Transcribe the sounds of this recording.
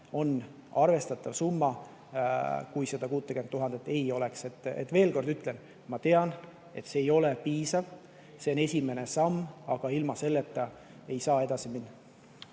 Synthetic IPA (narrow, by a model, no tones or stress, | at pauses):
o̞n | ɑrve̞st̪ɑt̪ːˑɑvsumːɑ | kujse̞d̪̥ɑkuːt̪ːˑekyenːuɦɑnd̪̥et̪ːˑe̞jo̞le̞kse̞t̪ːˑḛt̪ːˑve̞ːlko̞rd̪yt̪ːˑle̞n | mɑt̪e̞ɑn | e̞t̪ːse̞ːjo̞le̞piːsɑv | se̞one̞sʲime̞ne̞sɑmːɑɡ̥ɑilmɑse̞lːet̪ːˑɑ | e̞jsɑːe̞d̪ɑsiminːɑ